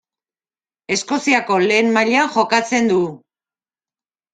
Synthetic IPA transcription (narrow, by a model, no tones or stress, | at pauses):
e̞sko̞siako̞le̞ːmmaʎaxo̞kat͡se̞nd̪u